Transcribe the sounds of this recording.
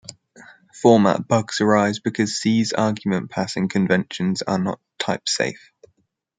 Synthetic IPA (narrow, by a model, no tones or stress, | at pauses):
fɔːma̰ʔb̥ʌɡsəɹaɪzbɪkʰɒz̥siːzɑːɡjəmə̃npʰasɪ̃ŋkʰə̃ɱvɛ̃nʃə̃nz̥ə̰nə̰tʰaɪpsḛɪf